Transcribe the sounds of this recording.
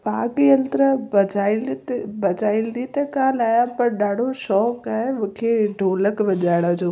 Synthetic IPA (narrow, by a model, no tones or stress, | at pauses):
paːkiɐlt̪ɾəbɐd͡ʑaːɪ̃lt̪bɐd͡ʑaːɪ̃nd̪it̪ekãːnaːjãpɐɾɗaːɽ̤ʱoʃɔːkaːmʊ̃kʰeɖʱoːləkʋɐʄaːɪɽəd͡ʑoː